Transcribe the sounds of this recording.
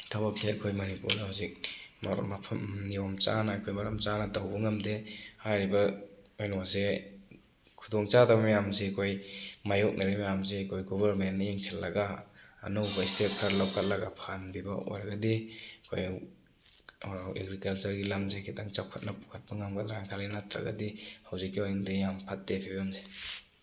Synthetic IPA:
tʰabak̚seɐkʰojmanipuɾnahuzik̚mamapʰɐmniɔmt͡ʃa̰naːkʰojmaɾamt͡ʃanadawbɐŋamdehajɾiba | ojnɔwaze | kʰudɔŋt͡ʃadabmjamzekʰojmajɔk̚nʔiɾimajamzekʰojɡɔbaɾmenːajeŋselːɐɡa̰ːnuwkʰajstet̚kʰaɾlawkʰat̚lɐɡapʰanbiba̰o̰jɾɐɡadikʰoj | ḛɡɾikɐlt͡ʃɐɾɡilamzekʰitaŋt͡ʃawkʰat̚nɐpu̥kʰat̚bɐŋamɡadɾaaŋkʰalinatɾa̰ɡa̰dihawzikːiojŋdejampʰat̚depʰebijamze

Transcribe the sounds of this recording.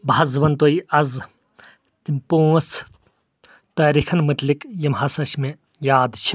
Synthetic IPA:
bʱɐzʋɐnt̪oiɐz | t̪impoːs | t̪ɐːɾikʰɐnmɐt̪likjɐmɦɐsɐʃʰmẽ | jaːd̪t͡ʃʰi̥

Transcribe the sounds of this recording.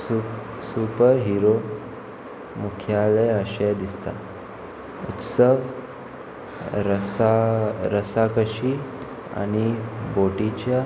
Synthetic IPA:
su | supəɾɦiɾo | mukʰjaleəɕɛd̪ist̪a̰ | ṵt̪səʋ | ɾəsaɾəsakəɕi | a̰ɽ̃iboʈit͡ɕja

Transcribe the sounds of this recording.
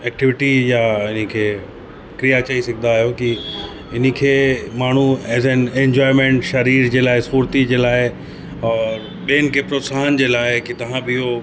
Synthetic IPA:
ɛːk̚ʈɪʋɪʈijaɪnkʰeː | kɾijat͡ɕɐisɐɡʱɪ̃nd̪aːɦijoki | ɪnkʰeːmaːɳ̤uɛːzɛnẽɲd͡ʑɔːɪmẽːɳʈʃɐɾiːɾd͡ʑeːlaːɪsuːɾt̪id͡ʑeːlaːɪ | ɔːɾ | ɓeːnkepɾoːsaːɦənd͡ʑeːlaːɪkit̪ɐʋ̤ãbɪɪɦo

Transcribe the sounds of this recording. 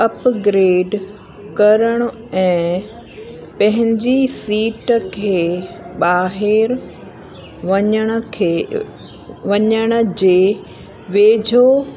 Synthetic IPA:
ɐpɡɾeːɖ | kɐɾəɽ̃ʊ | ɛ̃ː | pɐ̃ɦɪ̃ɲd͡ʑisiːʈkʰeː | ɓaːɦɪɾ | ʋɐɲəɽ̃ʊ̆kʰː | ʋɐɲəɽ̃ʊ̆d͡ʑeː | ʋeːd͡ʑʱo

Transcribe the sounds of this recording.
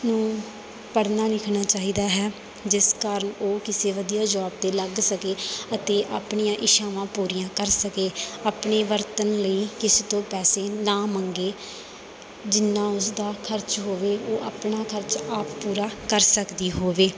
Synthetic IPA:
nũː | pəɽnaːlɪkʰnaːt͡ʃaːɦiːd̪aːɦɛː | d͡ʒɪskaːɾəɳoːkɪseːʋəd̪ijaːd͡ʒɔːb̚d̪eːləɡsəkeːət̪eːʔaːpɳijãːʔɪʃaːʋãːpuːɾijãːkəɾsəkeːaːpɳeːʋəɾt̪ənləiːkɪset̪õːpɛːseːnãːmə̃ŋɡeː | d͡ʒɪnːãːʊsd̪aːkʰəɾt͡ʃɦoːʋeːoːʔaːpɳaːkʰəɾt͡ʃaːppuːɾaːkəɾsəkd̪iːɦoːʋeː

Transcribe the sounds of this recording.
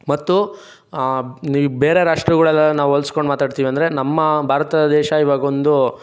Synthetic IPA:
mɐt̪ːu | nibeːɾeɾaːʂʈɾɐɣɐɭɛlːɐnaːʋuolskoɳɖmaːt̪aːɖt̪iːʋiɐnd̪ɐɾe̞nɐmːɐbʱaːɾɐt̪ɐd̪ɛːʃɐiʋaːɡɐond̪u

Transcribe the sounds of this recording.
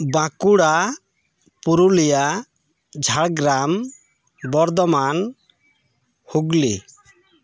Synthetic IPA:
bãkuɽa | puɾulija | d͡ʒʱaɽɡɾam | bɔɾd̪ɔman | huɡli

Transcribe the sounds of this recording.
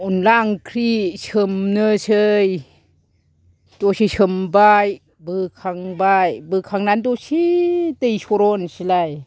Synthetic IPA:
unlaŋkʰɾisɯmnɯsʰɯj | dɔsisɯmbaj | bɯkʰaŋbajbɯkʰaŋnandɔsitejsɔɾɔnsilaj

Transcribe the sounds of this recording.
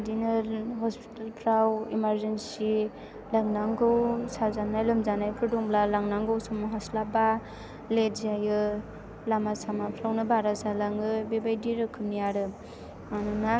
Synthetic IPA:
dinɯɦɔspi̥talpʰɾawimaɾzensi | laŋnaŋɡɯwsazanajlɯmzanajkʰɯdɔŋblalaŋnaŋɡɯwsɔmɔɦaslaba | letzajɯ | lamasamapʰɾawnɯbaɾasalaŋɯbebajdiɾɯkʰɯmnijaɾɯ | anɯna

